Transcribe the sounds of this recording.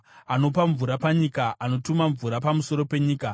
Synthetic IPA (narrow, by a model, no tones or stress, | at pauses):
ano̞paɱvuɾapaɲikaʔano̞tumaɱvuɾapamuso̞ɾo̞pe̞ɲiːka